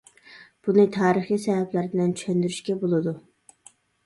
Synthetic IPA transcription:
b̥unɨt̪ʰɑːɾəχisɛɦɛplæɾbɪlɛnt͡ʃʰy̥ʃɛnd̪yɾyʃkʲɛbolˠɨd̪u

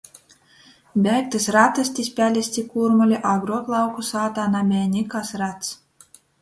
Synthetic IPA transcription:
bʲæːk̚t̪ɨsɾat̪asʲt̪ʲisʲpʲælʲisʲt̪ʲikuɾmulʲiʔaɡɾuɔklˠɑwkusaːt̪aːnamʲɛːnʲikasɾat̪s

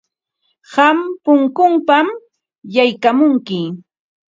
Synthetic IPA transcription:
ɢampʊŋkʊmpam | jajkamʊŋkɪ

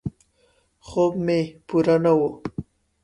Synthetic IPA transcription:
xobmepuɾanawu

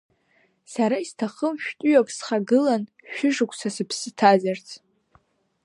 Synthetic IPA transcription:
saɾaistʰaχəmʃᶣtʼʊjakʷʼsχaɡɨlan | ʃᶣɪʒɨkʷʰʼsasɨpʰsɨtʰazart͡sʰʼ

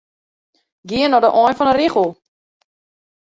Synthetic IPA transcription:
ɡiənɔdəʔɔjnfɔnəɾiχəlˠ

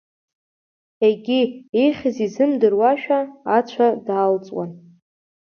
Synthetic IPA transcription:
eɡʲiejχʲɪzizɨmdɨrwaʃᶣaːt͡ɕʷʰadaːlt͡sʼwa̰n

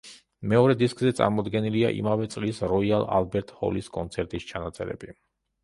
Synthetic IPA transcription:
mɛɔɾɛd̪iskʼzɛt̪sʼa̰ɾmɔd̪ɡɛnilia̰ʔḭmavɛt̪sʼlisɾɔialˠa̰lbɛɾt̪ʼhɔ̰liskʼɔnt̪sʰɛɾt̪ʼist͡ʃʰanat̪sʼɛɾɛ̰bi

